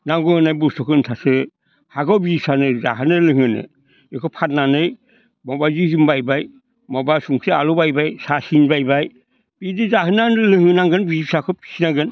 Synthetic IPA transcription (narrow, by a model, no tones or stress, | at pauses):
naŋɡɯhɯnajbustʰɔkʰɯntʰasɯ | haɡɔwbisanɯza̰ɦɯnɯlɯŋɯnɯ̰ | ekʰɯpʰat̚nanɯj | mɔbazizimbajbaj | mɔbasuŋsɯalubajbajsasinbajbaj | b̥idɯzaɦɯnanɯlɯŋɯnaŋɡɯnbisakʰɯpʰi̥sinaɡɯn